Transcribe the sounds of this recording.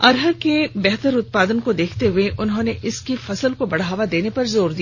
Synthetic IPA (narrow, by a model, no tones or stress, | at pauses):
ɐɾɦəɾkebɛɦt̪əɾʊt̪̚paːd̪ənkod̪eːkʰt̪eɦʊeʔʊnɦõːneʔɪskifɐsəlkobɐɽ̤aːʋad̪eːnepɐɾzoːɾd̪ij